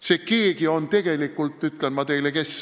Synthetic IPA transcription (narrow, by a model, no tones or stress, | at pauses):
se̞keːɡio̞nt̪e̞ɡ̥e̞likːˑult̪ˑːyt̪ˑlenmɑt̪e̞jleke̞s